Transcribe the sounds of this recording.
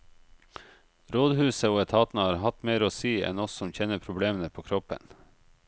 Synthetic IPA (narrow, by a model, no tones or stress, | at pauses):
ɾoːd̪hʉːsəoːɛt̪ʰɑːt̪n̩əhɑːɾɦɑt̪meːɾoːsiːɛ̰nɔssɔmçɛnːəpʰɾʊbleːmənəpʰoːkʰɾɔpə̰n